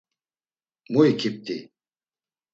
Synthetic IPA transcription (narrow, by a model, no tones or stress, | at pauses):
muikʰip̚t̪ʼi